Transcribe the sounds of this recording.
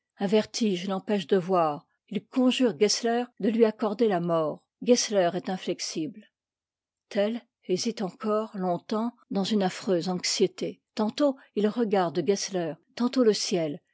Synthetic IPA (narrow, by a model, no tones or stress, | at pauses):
ɛ̃vɛʁt̪ʰiʒlɑ̃pɛʃd̪əvwaːʁ | ilkɔ̃ʒyʁɡɛslɛʁd̪əlɥiakɔʁd̪elamɔːʁ | ɡɛslɛʁɛt̪ɛ̃flɛksibl | t̪ʰɛl | ezit̪ɑ̃kɔʁlɔ̃t̪ɑ̃ | d̪ɑ̃zynafχøzɑ̃ksjet̪et̪ɑ̃t̪o | ilʁəɡaʁd̪əɡɛslœʁt̪ɑ̃t̪oləsjɛl